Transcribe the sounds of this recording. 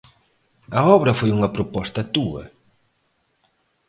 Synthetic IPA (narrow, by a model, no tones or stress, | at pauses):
ɐɔβɾɐfojuŋɐpɾopɔst̪ɐt̪uɐ̰